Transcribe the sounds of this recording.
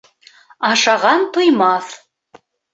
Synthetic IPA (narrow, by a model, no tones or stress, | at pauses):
ɑʃɑʁɑnt̪ŏjmɑθ